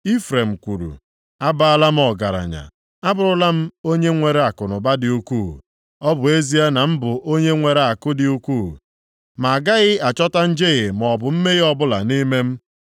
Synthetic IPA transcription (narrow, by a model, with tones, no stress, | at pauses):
i˦fɾe˨m̩˨kʷu˨ɾṵ˨ | a˦ba˦˨a˨la˦m̩˦ɔ˨ɡa̰˨ɾa̰˨ɲa̰˨ | a˦bʊ˦˨ɾʊ˦la˦m̩˦o˦ɲe˦ŋʷe˨ɾe˨a˨kʊ˨nʊ˨ba˦dɪ˨u˦kʷu˦˨ | ɔ˦bʊ˨e˦zi˦a˦na˨m̩˦bʊ˨ʔo˦ɲe˦ŋʷe˨ɾe˨a˨kʊ˦dɪ˨u˦kʷu˦˨ | ma˨ɡa˦ɣɪ˦a˨t͡ʃɔ˦ta˦n̩˦d͡ʒe˦ɣɪ˨m˨ɔ˨bʊ˨m̩˦me˦ɣɪ˦ɔ˦bʊ˦la̰˨ni˦me˦m̩˦